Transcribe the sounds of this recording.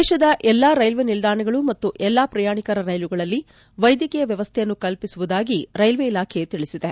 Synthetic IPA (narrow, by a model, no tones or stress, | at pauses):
d̪ɛːʃɐd̪ɐʔɛlːaːɾɐjlʋenild̪aːɳɐɡɐɭumɐt̪ːuʔɛlːaːpɾɐjaːɳikɐɾɐɾɐjluɡɐɭɐlːi | ʋɐjd̪jɐkɛjɐʋjɐʋɐst̪ʰeɛjɐnːukɐlpisuʋud̪aːɡiɾɐjlʋeilaːkʰet̪iɭisid̪e